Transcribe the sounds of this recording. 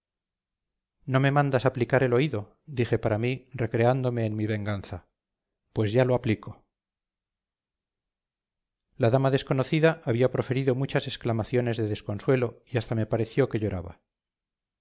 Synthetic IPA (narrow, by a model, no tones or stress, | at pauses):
no̞me̞mãnd̪asaplikaɾe̞lo̞iðo̞ | d̪ixepaɾamire̞kɾe̞and̪o̞me̞ːnmiβe̞ŋɡanθa | pwe̞zʝaloapliko̞ | laðamaðe̞sko̞no̞θiðaʔaβiapɾo̞fe̞ɾiðo̞mut͡ʃase̞sklamaθjo̞ne̞zðeðe̞sko̞nswe̞lo̞iast̪ame̞paɾe̞θjo̞ke̞ʎo̞ɾaβa̰